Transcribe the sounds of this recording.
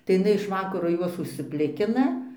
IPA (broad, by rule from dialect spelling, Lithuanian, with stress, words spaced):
tɐɪ ɪʃ ɪˈnɐɪ ɪʃ ˈʋɑːkɐroː ˈjuɔs ʊʃʲsʲɪˈpʲlʲɪkʲɪnɐ